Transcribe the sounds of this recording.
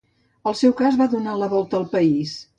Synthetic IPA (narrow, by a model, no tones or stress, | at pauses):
əlˠsɛwkazβaðunaləβɔlˠt̪əːlˠpəis